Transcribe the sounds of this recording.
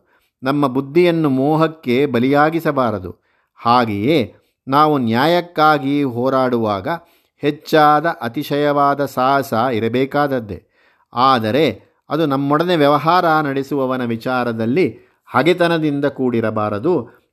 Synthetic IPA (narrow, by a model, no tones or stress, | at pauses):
nɐmːɐbud̪ʱːijɐnːumɔːɦɐkːe̞bɐlijaːɡisɐbaːɾɐd̪ṵ | haːɡejeː | naːʋunjaːjɐkːaːɡiɦɔːɾaːɽuʋaːɡɐ | het͡ʃːaːd̪ɐʔɐt̪iʃɐjɐʋaːd̪ɐsaːɦɐsɐiɾɐbɛːkaːd̪ɐd̪ːe̞̰ | aːd̪ɐɾe̞ | ɐd̪unɐmːɔɽɐne̞ʋjɐʋɐɦaːɾɐnɐɽesuʋɐʋɐnɐʋit͡ʃaːɾɐd̪ɐlːi | hɐɡet̪ɐnɐd̪ind̪ɐkuːɽiɾɐbaːɾɐd̪u